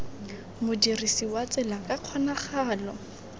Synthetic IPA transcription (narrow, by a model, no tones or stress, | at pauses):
mʊdirisiwat͡sʼɪlakʼaq͡χʰwanaχaːlɔ